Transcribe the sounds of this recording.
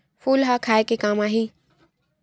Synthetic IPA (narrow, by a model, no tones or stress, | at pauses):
fʰuːlɦaːkʰaːekekãːmaːɦĩː